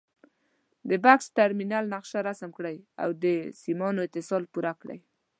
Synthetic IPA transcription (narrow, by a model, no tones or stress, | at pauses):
d̪əbaksʈaɾminalnaqʃaɾasəmkɽaja̰wd̪əsimɑnoɪt̪ɪsɑlpuɾakɽa̰j